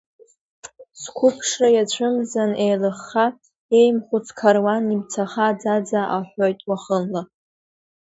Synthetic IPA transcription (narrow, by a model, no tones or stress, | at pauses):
skʷʰʊpʰʂrajat͡ɕʷʰɨmzanejlɨχːa | e̞jmχʷʊt͡sʰkʰarwanibt͡sʰaχad͡zad͡zaʔaħʷojtʼwaχənla